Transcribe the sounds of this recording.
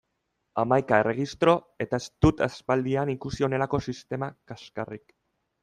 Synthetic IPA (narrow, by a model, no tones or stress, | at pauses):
amajkae̞rʔe̞ɣist̪ɾo̞ | e̞t̪aest̪ut̪aspald̪ianikusio̞ne̞lako̞sist̪e̞makaskarik